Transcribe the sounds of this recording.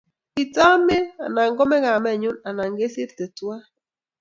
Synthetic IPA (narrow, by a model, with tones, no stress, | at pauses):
i˨ta˦me˦a̰˨na˨ŋɡɔ˦mɛ˦ɣa˨mɛ˦˨ɲu˦na˨na˨ŋɡe˦si˦ɾte˨twa˦